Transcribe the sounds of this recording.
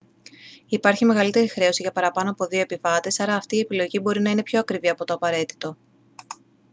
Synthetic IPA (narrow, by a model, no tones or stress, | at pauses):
ipɐɾçime̞ɣɐlit̪e̞ɾixɾe̞o̞siʝɐpɐɾɐpɐno̞ɐpo̞ðio̞epivɐt̪e̞sɐɾɐːft̪iːe̞pilo̞ʝibo̞ɾinɐine̞pço̞ɐkɾiviɐpo̞t̪o̞ɐpɐɾe̞t̪i̥t̪o̞